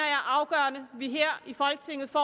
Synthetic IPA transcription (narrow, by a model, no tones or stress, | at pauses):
ɐɑʔɑ̈ʊɡ̥ɶːɐnəʋiɦeɐ̰ifɒ̽lɡ̥ət͡sʰe̝ŋ̰ð̩ˠfɒ̰ː